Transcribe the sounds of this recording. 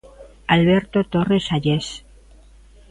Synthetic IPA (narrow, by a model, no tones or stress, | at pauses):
alβeɾt̪ot̪oresaʎes